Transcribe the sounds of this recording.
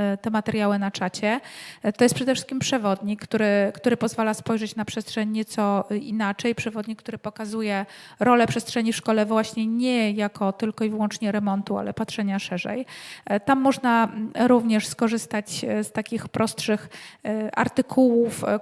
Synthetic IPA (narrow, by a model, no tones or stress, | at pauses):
t̪ɛmat̪ɛɾjawɘnat͡ʂat͡ɕɛt̪ɔjɛst̪pʂɛd̪ɛfʂɘ̥skʲimpʂɛvɔd̪ɲikːt̪uɾɘkt̪uɾɘpɔzvalaspɔjʐɛt͡ɕnapʂɛstʂɛɲːɛt̪sɔinat͡ʂɛjpʂɛvɔd̪ɲikːt̪uɾɘpɔkazujɛɾɔlɛpʂɛstʂɛɲifʂkɔlɛvwaɕɲɛɲɛjakɔt̪ɘlkɔivɘwɔnt͡ʂɲɛɾɛmɔnt̪ua̰lɛ̰patʂɛɲaʂɛʐɛ̰jt̪amːɔʐnaɾuvɲɛʂskɔʐɘst̪at͡ɕst̪akʲixpɾʔɔstʂɘxʔa̰ɾt̪ɘkʰuwuf